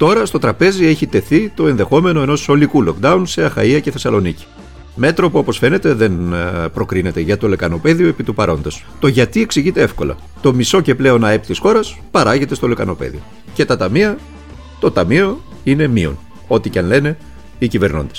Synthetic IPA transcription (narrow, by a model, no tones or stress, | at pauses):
t̪o̞ɾɐst̪o̞t̪ɾɐpe̞zie̞çit̪e̞θit̪o̞e̞nðe̞xo̞me̞no̞e̞no̞so̞likulo̞kd̪ɐunse̞ɐxɐ̰iɐceθe̞sɐlo̞nici̥ | me̞t̪ɾo̞puo̞po̞sfe̞ne̞t̪e̞ðe̞npɾo̞kɾine̞t̪e̞ʝɐt̪o̞le̞kɐno̞pe̞ðioepit̪upɐɾo̞̰nd̪es | t̪o̞ʝɐt̪ie̞ksiʝit̪e̞efko̞̰lɐ̰ | t̪o̞miso̞ce̞ple̞o̞nɐe̞pit̪isxo̞ɾɐs | pɐɾɐʝe̞t̪e̞st̪o̞le̞kɐno̞pḛðio̞̰ | ce̞t̪ɐt̪ɐmiɐ | t̪o̞t̪ɐmio̞ | ine̞mio̞̰n | o̞t̪icɐnle̞ne̞ | icive̞ɾno̞̰nd̪e̥s